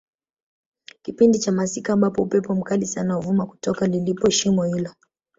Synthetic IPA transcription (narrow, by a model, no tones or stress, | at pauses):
kipindit͡ʃamasikaːmbapɔupɛpɔm̩kalisanawuvumaku̥tɔkalilipɔɛʃimɔhilɔ